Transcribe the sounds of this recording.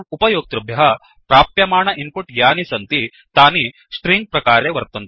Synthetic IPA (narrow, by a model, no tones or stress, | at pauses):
upɐjoːk̚t̪ɾɐbʱjɐɦɐ | pɾaːpjɐmaːɳɐʔimpuʈjaːnisɐnt̪i | t̪aːni | sʈɾiŋɡ̚pɾɐkaːɾeːʋɐɾt̪ɐnt̪